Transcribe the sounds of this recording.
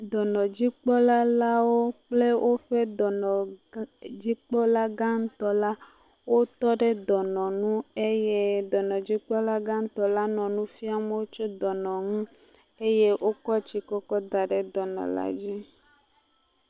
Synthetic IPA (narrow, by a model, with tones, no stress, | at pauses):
d̪ɔ˨nɔ̃˨d͡ʑi˦k͡pɔ˦la˦la˦wo˦k͡ple˦wʔo˦ɸe˦d̪ɔ˨nɔ̃˨ | d͡ʑi˦k͡pɔ˦la˦ɡa˦ŋ̩˦t̪ɔ˦la˦ | wo˦t̪ɔ˦ɖe˦d̪ɔ˨nɔ̃˨nũ˦e˦je˦d̪ɔ˨nɔ̃˨d͡ʑi˦k͡pɔ˦la˦ɡa˦ŋ̩˦t̪ɔ˨la˦nɔ̃˨nũ˦fi˦a˨me˦wo˦t͡ʃo˦d̪ɔ˨nɔ̃˨ŋũ˦ | e˦je˦wʔo˦kɔ˦t͡ɕi˨kɔ˦kɔ˦d̪a˨ɖɛ˨d̪ɔ˨nɔ̰̃˨la̰˨d͡ʑi˦